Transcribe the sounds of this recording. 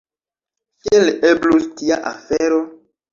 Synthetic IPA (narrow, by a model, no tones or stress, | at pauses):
kieleblustiaʔa̰feɾo